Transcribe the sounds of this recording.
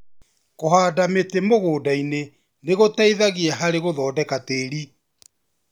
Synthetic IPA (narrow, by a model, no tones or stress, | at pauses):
koɦaːdametemoɣoːdaine | neɣotaiðaɣiaɦaɾeɣoðɔːdɛkateɾi